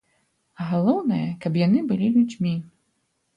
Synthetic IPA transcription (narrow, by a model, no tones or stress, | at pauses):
ɣalˠɔwnɐjɐkapjanɨbɨlʲilʲud͡zʲmʲi